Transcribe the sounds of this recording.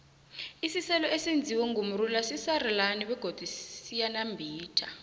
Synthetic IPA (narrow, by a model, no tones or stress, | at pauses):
isisɛlɔesind͡zʱiwɛŋɡum̩rulasisarɛlaniɓɛɡ̥ʱod̥ʱisijanambʱiːtʰa